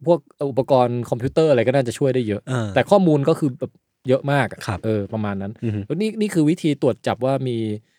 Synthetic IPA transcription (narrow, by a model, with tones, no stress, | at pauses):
pʰu˥˩ək̚ə˧ʔu˨˩pːa˧kɔː˧nkʰɔ˧mpʰiu˦˥t̪ɤː˥˩ʔa˧ɾa˧jkɔː˥˩naː˥˩t͡ɕa˨˩t͡ɕʰu˥˩əjdaː˥˩jɤ˦˥ʔa˧t̪ɛː˨˩kʰɔː˥˩muː˧nkɔː˥˩kʰɯː˧bɛː˨˩p̚ | jɤ˦˥ʔmaː˥˩k̚a˩kʰʔɤː˧pɾa˧maː˧nːa˦˥n˥niː˥˩niː˥˩kʰɯː˧wi˦˥t̪ʰiː˧t̪u˨˩ət̪̚t͡ɕa˨˩p̚waː˥˩miː˧